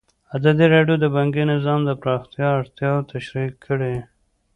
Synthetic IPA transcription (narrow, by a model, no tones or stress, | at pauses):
azɑd̪iɾɑɖjod̪əbaŋɡinɪzɑmd̪əpɾɑxt̪jɑːɽt̪jɑwt̪ʰaʃɾikʰːəɽe